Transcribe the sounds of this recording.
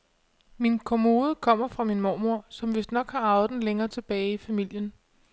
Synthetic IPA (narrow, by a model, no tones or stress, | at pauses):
minkʰomo̝ːð̞ˠəkʰɒ̽m̰ɐfʁɑ̈minmɒːmuɐ̰sɒ̽mʋe̝sd̥nɒ̽ɡ̥hɑ̈ɑ̈ʊdn̩leŋɐːt͡sʰe̝b̥ɛːɪifæmil̰jən